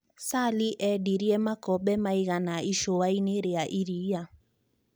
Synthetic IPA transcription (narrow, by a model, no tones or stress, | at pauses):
saliʔɛdiɾiɛmakɔɓɛmaiɣanaʔiʃowaineɾeaʔiɾia